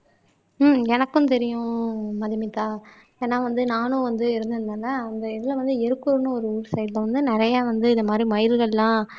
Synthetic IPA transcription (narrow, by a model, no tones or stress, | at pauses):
mɛnɐkːʊ̃t̪ɛɾɪjʊ̃mɐðɐmɪt̪ːaː | eːnːaːʋɐnd̪ɯnaːnʊ̃ʋɐnd̪ɯɪɾɯnd̪ɯɾnd̪aːnɐɐnd̪ɐɪðɪlɐʋɐnd̪ɯɛɾɯkːɯɾnɯ̃ɔɾɯuːɾsɐɪd̪lɐʋɐnd̪ɯnɪɾɐjaːʋɐnd̪ɯɪnðɐmaːd̪ɾimɐjɪɾɣɐlːãː